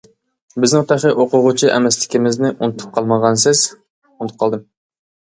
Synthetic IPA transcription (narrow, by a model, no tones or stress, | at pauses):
bɪznɪŋt̪ʰæχɨʔoqʊʁʊt͡ʃʰiʔɛ̰mɛslɪ̥kʲimɪznɪʔunɨt̪ʰu̥p̚qʰɑlˠmɑʁɑnsɪz̥ | nt̪ʰʊ̥p̚qʰɑlˠd̪ɨm